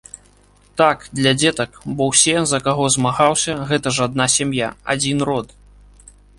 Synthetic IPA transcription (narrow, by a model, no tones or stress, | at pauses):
t̪akd̪lʲɐd͡zʲɛt̪ɐkbɔwsʲɛzɐkaɣɔzmaɣawsʲɐɣɛt̪ɐʐad̪̚nasʲamjaa̰d͡zʲinrɔt̪